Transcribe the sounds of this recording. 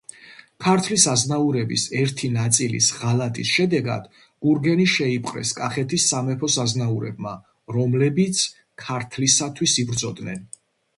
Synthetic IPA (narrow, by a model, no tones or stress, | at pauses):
kʰaɾt̪ʰlisaznauɾɛbḭsɛɾt̪ʰinat̪sʼilḭsʁalat̪ʼisʃɛd̪ɛɡa̰d̪̥ | ɡ̥uɾɡɛniʃɛipʼqʼɾɛ̰skʼaχɛt̪ʰisːamɛpʰɔsaznauɾɛ̰bma | ɾɔmlɛbit̪sʰ | kʰaɾt̪ʰlisat̪ʰwisibɾd̪zɔd̪nɛ̰n